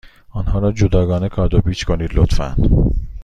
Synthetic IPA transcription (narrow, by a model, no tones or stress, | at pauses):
ɒnɦɒːɾɒːd͡ʒod̪ɒːɡɒːnekʰɒːɾd̪obiːt͡ʃʰkʰoniːd̪lot̪fæ̰nd̪̥